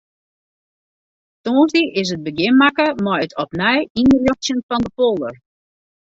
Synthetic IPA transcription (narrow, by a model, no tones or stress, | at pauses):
toːnzdiʔɪs̬ət̚bəɡɪnmakəmɔjətʰɔpnɛjinrjoxtjənfɑndəpolˠər